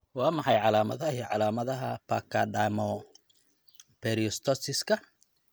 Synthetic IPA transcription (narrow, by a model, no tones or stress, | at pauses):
wɑːmɑħɑjʕɑlaːmɐ̰ðɐhiʕɑlaːmɐðɐɦɐpa̰kʰaɖamɔ | pɛɾiɔst̪ʰɔsɪskʰɐ